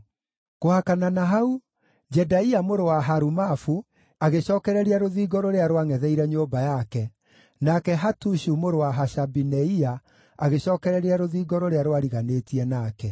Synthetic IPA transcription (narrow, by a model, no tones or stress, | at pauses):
kohakananaɦau | d͡ʒɛdaiamoɾowaɦaɾumafu | aɣeɕɔːkɛɾɛɾiaɾoðiːɡɔɾoɾeaɾoaŋɛðɛiɾɛɲoːbajakɛ | nakɛɦatuʃumoɾowaɦaʃabinɛia | aɣeɕɔːkɛɾɛɾeaɾoðiːɡɔɾoɾeaɾowaɾiɣaneːtiɛnaːkɛ